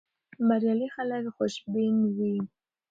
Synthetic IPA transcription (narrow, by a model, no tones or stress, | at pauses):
maɾjalixalalχoʃbinwi